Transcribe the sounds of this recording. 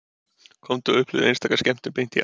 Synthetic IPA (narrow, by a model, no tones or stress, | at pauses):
kʰɔmt̪ʏʏhplɪ̰ðejnst̪aːkḁscɛm̥t̪ɪpejn̥t̪ḭ